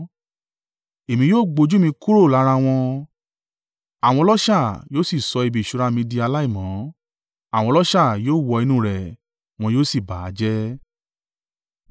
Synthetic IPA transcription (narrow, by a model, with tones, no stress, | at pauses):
e˨mĩ˧joː˦˨ɡ͡bo˧d͡ʒu˦mĩ˧ku˦ɾo˦˨la˨˦ɾa˧w̃ɔ̃˧ | a˨w̃ɔ̃˧lɔ˦ʃa˦˨joː˦si˦˨sɔ˧i˧bi˨ʃu˨˧ɾa˧mĩ˧di˧a˧la˦i˦˨mɔ̃˨˦ | a˨w̃ɔ̃˧lɔ˦ʃa˦˨joː˦˨wɔ˧i˧nũ˧˦ɾɛ˨ | w̃ɔ̃˧joː˦˨si˦˨ba˨˦d͡ʒɛ˦